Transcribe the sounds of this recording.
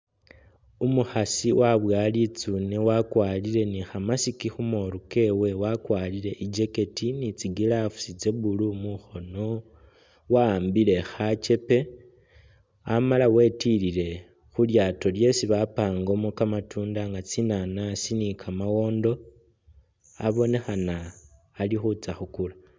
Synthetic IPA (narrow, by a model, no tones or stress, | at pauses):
umuxasiwʔaβwaːlit͡sunewakwaːliɾe̞nixamasikixumoɾuke̞we̞wakwalile̞ʔid͡ʒe̞ke̞tinit͡siɡilafu̥sid͡ze̞bulumuxo̞no | waːmbile̞xat͡ʃe̞pe̞ | amalawe̞tilile̞ | xuljaːto̞lje̞siβapaːŋɡo̞mokamatuːndaŋɡat͡sinanasinikʰamawo̞ːndo̞ | a̰βo̞ne̞xanaː | lixut͡saxukula